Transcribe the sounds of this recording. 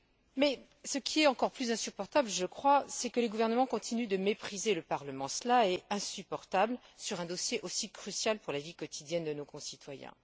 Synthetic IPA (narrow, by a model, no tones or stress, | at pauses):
mɛ | səkʲʰiɛt̪ɑ̃kɔʁplyzɛ̃sypɔʁt̪abləʒəkχwasɛkələɡuvɛʁnəmɑ̃kɔ̃t̪ʰinyd̪əmepχizeləpaʁləmɑ̃slaɛɛ̃sypɔʁt̪ablsyʁɛ̃d̪ɔsjeʔosikχysjalpuʁlavikɔt̪ʰid̪jɛnd̪ənokɔ̃sit̪wajɛ̰̃